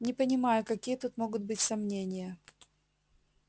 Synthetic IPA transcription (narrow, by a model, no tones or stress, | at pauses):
nʲɪpənʲɪmajʊkɐkʲijət̪ut̪mo̞ɡʊd̪̚bɨtʲsɐmnʲenʲɪjə